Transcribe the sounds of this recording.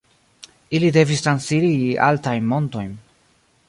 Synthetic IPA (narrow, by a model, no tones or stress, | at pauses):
ilide̞vist̪ɾansilia̰ltajnmo̞nto̞jn